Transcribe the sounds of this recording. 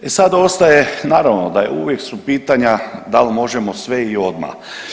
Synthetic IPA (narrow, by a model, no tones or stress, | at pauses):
esad̪o̞st̪ajenaːɾaʋnod̪ajḛuʋjeksupiːt̪aɲad̪almo̞ʒemo̞sʋeio̞d̪ma̰